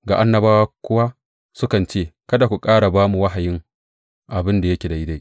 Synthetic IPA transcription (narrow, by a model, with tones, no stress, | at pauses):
ɡa˨ʔa˦nːɐ˨baː˦wa˦kʷʊ˦wa˦ | sʊ˦kɐ˨nt͡ʃeː˦˨kɐ˦da˨kʷu˨kʼaː˦ɽa˨baː˦mu˨wɐ˦ɦa˨jɪ˦ŋ | ʔa˨bɪ˦nda˨jɐ˦kʲe˨da˨ʔɪ˦da˦